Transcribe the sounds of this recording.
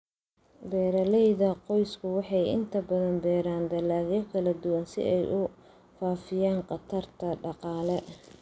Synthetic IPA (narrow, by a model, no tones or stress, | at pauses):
bɛːɾɐlɛjðɐqɔjskʰʊwɑħɑjɪ̰nt̪ʰɐbɐðɐnbɛːɾaːnd̪ɐlaːɣjɐkʰɐlɐd̪ʊwɐnsɪ̰ʔɛjʔʊ | faːfɪjaːɴqɑt̪ʰɐrt̪ʰɐɖɑqɑːlɛ